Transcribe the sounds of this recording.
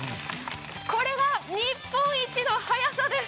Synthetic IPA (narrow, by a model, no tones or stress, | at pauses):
ko̞ɾe̞βaɲ̟ipːõɰ̃it͡ɕino̞hajasad̪e̞s